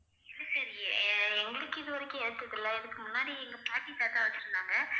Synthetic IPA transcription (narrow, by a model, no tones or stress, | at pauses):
ɪlːɐsɐɾɪɛŋɡɐɭɯkːɯɪðɯʋɐɾɐkːʊ̃ɛɽɯt̪ːɐðɪlːɐɛðɯkːɯmʊnːaːɽiɛŋɡɐpaːʈːit̪ːaːt̪ãːɐʋɐt͡ʃːɪʈːɯnd̪aːŋɡɐ